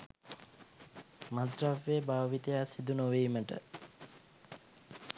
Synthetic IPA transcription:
mad̪raʋːeːbaːʋit̪ejasid̪unoʋiːməʈə̰

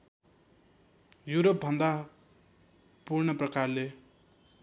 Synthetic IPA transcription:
juɾop̚bʱʌnd̪a | purnʌprʌkarle

